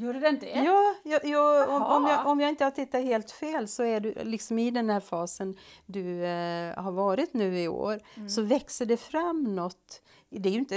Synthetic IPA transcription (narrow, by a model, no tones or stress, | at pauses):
juːɾədnjɑːjɑjɑːɔɔmjɑʔɔmjɑːɪnt̪əhat̪ʰɪt̪ːaheːlt̪feːlsɔæɖɵlɪksɔmɪd̪ɛnhæːɾfɑːsənd̪ɵ | haɾvɑːɾɪt̪nʉ̟ːɪo̰ːɾsɔvɛksəɖɛfɾamːnɔt̪ː | d̪ɛæɾjɵɪnt̪ə